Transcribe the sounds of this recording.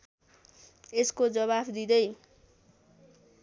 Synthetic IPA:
eskod͡zʌβabd̪id̪ʌj

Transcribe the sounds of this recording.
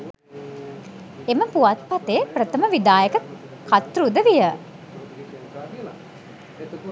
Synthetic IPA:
eməpuʋat̪̚pat̪eprət̪əməʋid̪aːjəkə | kʰat̪rud̪əʋijə

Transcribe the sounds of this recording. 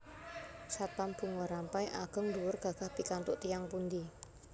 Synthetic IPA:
sat̪anb̥ṳŋwɔɾampajʔaɡ̥ə̤ŋd̪uwʊrɡ̥a̤ɡ̥a̤hpikant̪ʊʔt̪ijaŋpund̪i

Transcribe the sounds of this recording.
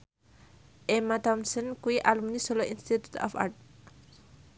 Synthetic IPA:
ʔɛmat̪ɔmsənkuiʔalumnisɔloʔinst̪it̪u̥t̪ɔ̰fa̰t

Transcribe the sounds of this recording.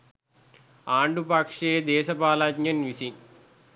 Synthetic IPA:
aːɳɖupaːkʂeːd̪ɛːʃɐpaːlaːd͡ʒɲɐnʋisi

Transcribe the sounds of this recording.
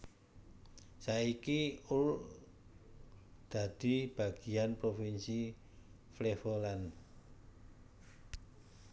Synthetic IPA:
saikiʊl | d̪̥a̤d̪̥i̤b̥a̤ɡ̥i̤anpɾofinsi | flefolan

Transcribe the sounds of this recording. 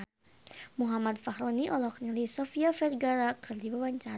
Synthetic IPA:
muɦamad̪̚fahɾɔniʔɔlɔknilisɔfiafɛrɡaɾakɨrdibawaɲt͡ʃa

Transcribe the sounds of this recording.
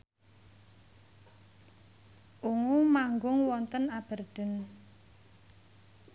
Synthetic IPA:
ʔuŋumaŋɡʊŋwɔnt̪ənab̥ə̤rd̪̥ə̤n

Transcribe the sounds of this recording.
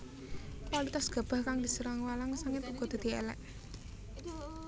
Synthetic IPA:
pwalit̪asɡ̥a̤b̥a̤hkaŋd̪isəɾaŋwalaŋsaŋkɪt̪uɡ̥ɔd̪̥a̤d̪̥i̤ɛ̰lɛ̰ʔ

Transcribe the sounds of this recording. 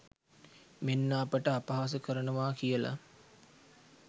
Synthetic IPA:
menːaːpəʈəapaɦas̬əkəɾənəʋaːkijəla̰

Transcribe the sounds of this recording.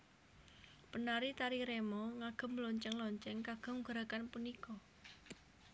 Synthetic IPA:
pənaɾit̪aɾiɾemɔŋaɡ̥ə̤mlɔɲt͡ʃɛŋlɔɲt͡ʃɛŋkaɡ̥ɔ̤ŋɡ̥əɾakanpunikɔ

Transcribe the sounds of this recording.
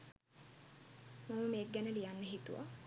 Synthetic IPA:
maməmeːk̚ɡænəlijanːəɦit̪uʋa̰

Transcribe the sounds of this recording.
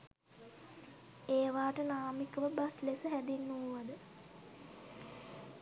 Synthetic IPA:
eːʋaːʈənaːmikəʋəbaslesəɦæd̪inːuuʋad̪ə

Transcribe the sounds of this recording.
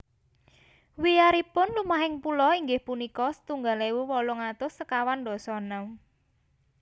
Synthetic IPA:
wijaɾipʊnlumaɦɪŋpulɔiŋɡɪhpunikɔsə̥t̪uŋɡalewuwɔlɔŋat̪ʊsːəkawandɔ̤sɔnau

